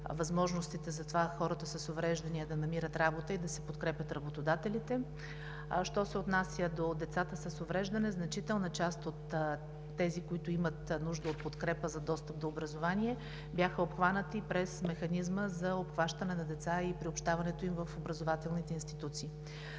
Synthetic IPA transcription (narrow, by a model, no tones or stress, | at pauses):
vɐzmɔʒnost̪it̪ɛzɐt̪ovaxɔɾət̪əsɐsovɾɛʒd̪ɐniəd̪ɐnɐmiɾət̪ɾabot̪əid̪ɐsɛpot̪kɾɛpʲjət̪ɾɐbot̪od̪at̪ɛlit̪ɛ | ʃt̪ɔsɛot̪nasʲjəd̪od̪ɛt̪sat̪əsɐsovɾɛʒd̪ɐnɛznɐt͡ʃit̪ɛlˠnɐt͡ʃast̪ot̪ː | ɛzikoit̪ʊimət̪nuʒd̪əot̪̚pot̪kɾɛpəzɐd̪ɔst̪əp̚d̪oobɾɐzovaniɛ | bʲjaxəopxvanət̪ipɾɛsmɛxɐnizməzɐopxvaʃt̪ənɛnɐd̪ɛt̪saipɾiopʃt̪avɐnɛt̪oimvəfobɾɐzovat̪ɛlˠnit̪ɛinst̪it̪ut̪siː